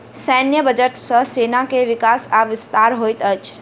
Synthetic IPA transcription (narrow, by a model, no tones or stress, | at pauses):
səːnjəbəd͡ʒəʈsə̃seːnãkeʋɪkaːsaʋɪst̪aːɾɦoːit̪ət͡ʃ